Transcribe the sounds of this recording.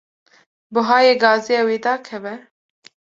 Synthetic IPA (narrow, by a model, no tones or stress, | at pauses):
bʊɦɑːjeːɡɑːzijɑːweːd̪ɑːkʰɛvɛ